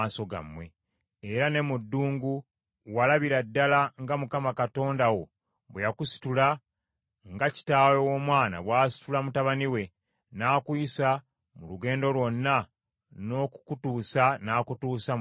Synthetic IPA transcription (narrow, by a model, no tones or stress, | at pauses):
aso̞ɡa̰mːwe̞ | eɾane̞mudːuːŋɡu | walaβiɾadːalaŋɡamukamakato̞ːndawo̞ | βwejakusi̥tula | ŋɡaci̥taːlo̞wo̞ːmwaːna̰βwaːsi̥tulamutaβaniwe̞ | naːkwuisa | muluɡe̞ːndo̞lwo̞nːa | no̞ːkukutuːsanaːkutuːsa